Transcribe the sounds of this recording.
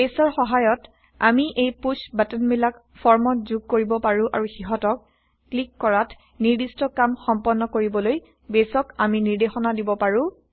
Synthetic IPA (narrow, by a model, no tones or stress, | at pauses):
besɔɹxɔɦajɔt | amiʔejpusbatɔnmilak | fʰɔɹmɔtzuɡ̚koɹibɔpaɹʊ̃ʔaɹuxiɦɔtɔkː | likːɔɹat | niɹdistɔkamxɔmpɔnːɔkoɹibɔloj | besɔkaminiɹdexɔnadibɔpaɹʊ̃